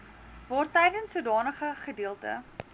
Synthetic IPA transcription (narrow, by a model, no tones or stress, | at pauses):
vɑːrtɛjdənsuədɑːnəχəχədiəlˠtə̰